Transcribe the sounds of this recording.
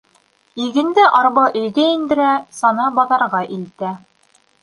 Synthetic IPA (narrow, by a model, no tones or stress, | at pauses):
iɡɘ̆nd̪ɘʔɑɾβɑʔɵ̆jɡæind̪ɘ̆ɾæsɑnɑbɑðɑɾʁɑʔilt̪æ